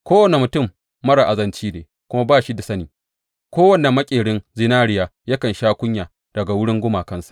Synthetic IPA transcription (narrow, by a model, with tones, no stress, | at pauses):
kʷoː˦wɐ˨ne˨mʊ˨tʊ˦˨mː | ɐ˦ɽa˨ʔa˨zɐ˦nt͡ʃiː˦neː˨ | kʷʊ˦ma˦baː˦ʃi˦da˨sɐ˦niː˨ | kʷoː˦wɐ˦˨na˨mɐ˦kʲʼeː˨ɽɪ˦nzɪ˦naː˦ɽɪ˨jaː˨ja˦kɐ˨nʃaː˦kʷʊ˦ɲjaː˨ | d̥ɐ˨ɡa˨wʊ˦ɽɪ˦ŋɡʷʊ˦maː˨kɐ˦nsḁ˨ʔ